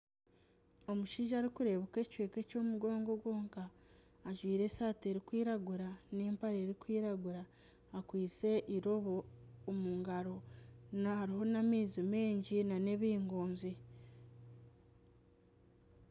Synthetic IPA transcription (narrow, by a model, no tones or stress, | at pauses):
o̞muʃiːʒaːɾikuɾe̞βoke̞ːcwe̞ːke̞co̞ːmuɡo̞ːŋɡo̞ɡwo̞ːŋkaː | ʒwiːɾe̞saːte̞ɾikwiːɾaɡuɾaneːmpaɾe̞ːɾikwiːɾaɡuɾaː | kwiːt͡se̞ʔiɾo̞βoːmuŋɡaɾo̞nahaɾiho̞namiːzime̞ːɲɟinane̞βiːŋɡoːnzi